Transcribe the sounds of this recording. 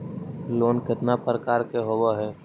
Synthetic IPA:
loːnkɪt̪napɾəkaːɾkeɦowaɦɛː

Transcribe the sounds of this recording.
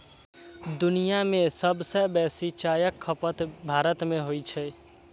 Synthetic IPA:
d̪unijamẽsəbsəbɛsit͡ʃajəkʰːəpət̪bʱaɾət̪meɦojt͡ʃʰɛ

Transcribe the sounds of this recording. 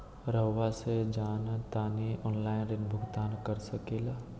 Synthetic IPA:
ɾəʋased͡ʒaːnat̪aːneɔːnlaːɪnɾɪnbʱʊɡt̪aːnkəɾsəkeːlaː

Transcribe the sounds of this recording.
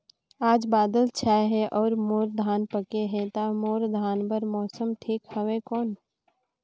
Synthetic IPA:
aːd͡ʒbaːd̪əlt͡ʃʰaːeɦɛʔɔːɾmoːɾd̪ʱaːnpəkeɦɛ̃t̪aːmoːɾd̪ʱaːnbəɾmɔːsəmʈʰiːkhəʋẽkɔːn

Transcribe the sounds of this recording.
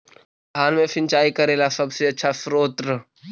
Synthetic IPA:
ɦaːnmẽfʰɪ̃nt͡ʃaːikɐɾeːlasɐbseɐtːʃʰasɾoːt̪ɾə

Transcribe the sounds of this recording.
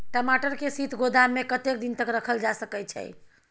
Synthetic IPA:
ʈəmaʈəɾkesit̪ʰɡod̪aːekət̪ek̚d̪int̪əkɾəkʰəld͡ʒasəkɛt͡ʃʰɛ̰j

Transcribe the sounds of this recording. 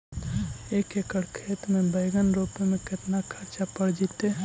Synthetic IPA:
eːkekəɽkʰeːt̪mẽbəɪɡənɾopemẽkɪt̪nakʰəɾt͡ʃapəɽd͡ʒit̪e

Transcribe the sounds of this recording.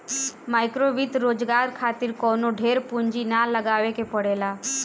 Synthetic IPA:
maːɪkɾoʋit̪ɾoːd͡ʒɡaːɾkʰaːt̪iɾkɔːnoɖʱeːɾpuɲd͡ʒinaləɡaːʋekepəɽeːlaː

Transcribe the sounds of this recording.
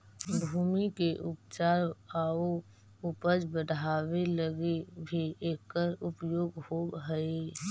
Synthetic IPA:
bʱuːmikeʔʊpt͡ʃaːɾao | ʊpəd͡ʒbəd̪ʱaːweləɡebʱieːkːəɾʊpjoːɡhoːɡɦəe

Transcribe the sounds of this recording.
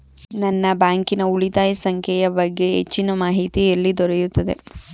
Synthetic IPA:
nɐnːɐbaːŋkinɐuɭit̪aːjisɐŋkʰjɛjɐbɐɡːe̞ɦet͡ʃːinɐmaːɦit̪ijɐlːid̪ɔɾejut̪ːɐd̪e̞̰

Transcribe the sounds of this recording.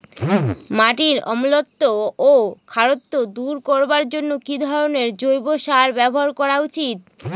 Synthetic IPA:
maʈiɾɔ̰mulot̪ːoː | kʰaɾot̪ːod̪uɾkoɾbaɾd͡ʑonːokid̪ʱɔɾoneɾd͡ʑojboʃaɾbɛboɦaɾkɔɾaut͡ɕit̪̚

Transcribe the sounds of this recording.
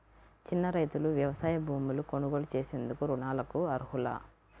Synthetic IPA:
t͡ʃinːɐɾɐjt̪uluʋjɐʋɐsaːjɐbʱuːmuluko̞nuɡoːlut͡ʃeːse̞nd̪ukuɾuɳaːlɐkuɐɾuɦulɐ̰

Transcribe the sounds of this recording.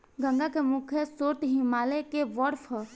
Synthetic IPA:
ɡə̃ŋɡakemʊkʰjəsoːɾt̪ɦɪmaːlekeʋɔɽfʰ

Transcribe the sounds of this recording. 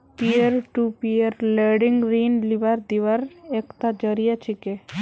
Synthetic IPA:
piəɾʈupiəɾleɖɪŋɡɾiːnliʋaɾd̪iʋəɾekt̪ad͡ʒəɾijat͡ʃʰike

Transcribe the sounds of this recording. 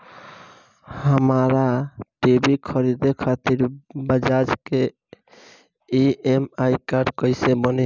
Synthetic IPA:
həmaɾaʈebikʰəɾid̪ekʰat̪iɾbəd͡ʒad͡ʒke | iemajkaɾɖkəɪsebəne

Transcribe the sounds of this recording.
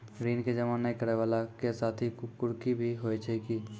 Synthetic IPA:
ɾiːnked͡ʒɐmaːnːɐĩkəɾeʋaːlakesaːt̪ʰikʊɾkibʱiɦoːet͡ʃʰeiki

